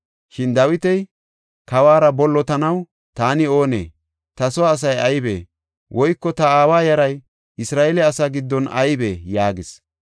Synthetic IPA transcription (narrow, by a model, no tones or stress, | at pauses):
ʃɪnd̪ɐwɪt̪ɛj | kɐwaːɾɐbɔlːɔt̪ɐnɐw | t̪aːnɪo̞ːnḛː | t̪ɐsɔwaːs̬ɐjɐjbḛː | wʔɔjkːɔt̪ɐaːwaːjɐɾɐj | ɪsɾaːɛlɛɐsaɡɪd̪ːɔnɐ̰jbeːjaːɡɪs